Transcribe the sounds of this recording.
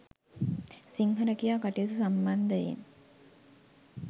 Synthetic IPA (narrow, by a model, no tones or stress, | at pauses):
siŋɦəɾəkijaːkaʈijut̪usamband̪əḛn